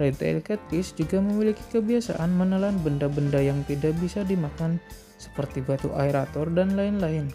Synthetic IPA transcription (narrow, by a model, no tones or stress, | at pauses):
ɾɛt̪a̰ɛ̰lkɛt̪ɪsd͡ʒuɡaməmiliki̥kəbiasa̰ʔanmənəlanbəndabəndajaŋt̪idaʔbisadimakan | sə̥pərt̪ibat̪uʔaeɾat̪ɔrdanlaɪnlaɪn